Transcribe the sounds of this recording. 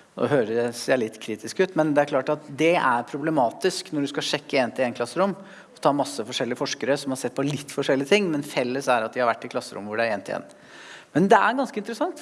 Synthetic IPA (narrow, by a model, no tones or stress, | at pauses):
ɔ̰ɦøːɾəɛseːɭɪt̪ːkʰɾiːt̪ɪskʉːt̪mɛnd̪ɛæɾkʰlɑːʈɑt̪d̪ɛæɾpʰɾʊblɛmɑːt̪ɪsknɔɖʉskɑlʂɛkːəeːnt̪ɪeːnkʰlɑsːəɾʊm | ɔt̪ʰɑːmɑsːəfɔʂɛlːɪəfɔʂkəɾəsɔmhɑɾsɛt̪̚ːpʰɔlɪt̪ːfɔʂɛlːɪət̪ʰɪŋːmɛnfɛlːəsæɾɑt̪̚d̪ɪhɑɾʋæʈːɪkʰlɑsːəɾʊ̰mːʋʊɖæɾeːnt̪ʰːɪḛːn | mɛnd̪ɛæɾɡɑnskəɪnt̪əɾəsɑŋt̪